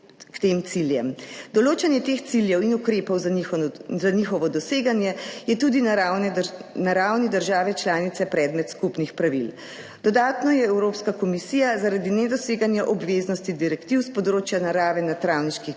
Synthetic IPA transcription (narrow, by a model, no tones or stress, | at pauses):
kt̪emt̪siljɛmd̪̥ɔloːt͡ʃanjɛt̪ext̪siljɛwinukɾeːpɔw | zanixɔʋɔd̪ɔseːɡanjɛjɛt̪ud̪ina | naɾawnid̪əɾʒaːʋɛt͡ʃlaːnit̪sɛpɾɛːd̪mɛt̪skupnixpɾaʋil | d̪̥ɔd̪aːt̪nɔjɛɛwɾoːpskakɔmisiːjazaɾad̪inɛd̪ɔseːɡanjaʔɔbʋeːznɔst̪id̪iɾɛkt̪iwspɔd̪ɾoːt͡ʃjanaɾaːʋɛnat̪ɾawniʃki